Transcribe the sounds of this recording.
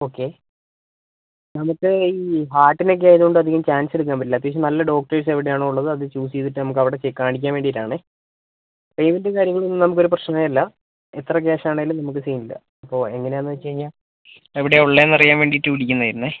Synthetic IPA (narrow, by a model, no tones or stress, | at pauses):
o̞ːkːe̞ | nɐmukːɨiːɦaːʈːino̞k̬ːeaːjɐðuuɳɖɨɐd̪ʱiɣɐmt͡ɕaːnse̞ɽuk̬ːaːmbɐʈilɐt̪ːjekʂ̬ɕɐnɐlːɐɖo̞ːk̚ʈɐrs̬eʋiɽejaːɳoːuɭːɐðɨɐðɨt͡ɕuːsiðiʈːɨnɐmuk̬ːɐʋiɽe̞t͡ɕekːaːɳik̬ʲːaːnʋeːɳɖitːaːɳɨ | pejmendɨkaːɾjɐŋːɐɭonːɨnɐmukːoɾuprɐɕnɐajɐlːɐ | et̪rɐkeːʂaːɳeɡilumnɐmuk̬ːɨsiːnilːɐ̰ | ɐpːo̞ːe̞ŋːɐne̞enːɨʋɐt͡ɕːɐɻiɲːa | eʋiɽeoɭːenɐrijaːnʋe̞ːɳɖiʈːɨʋiɽikʲːunːɐaːjiɾunːɨ